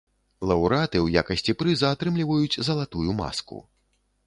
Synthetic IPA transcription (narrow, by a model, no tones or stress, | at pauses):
lˠɐwɾat̪ɨwja̰kɐsʲt͡sʲipɾɨzɐːt̪ɾɨmlʲivɐjut͡sʲzɐlˠat̪ujuma̰skṵ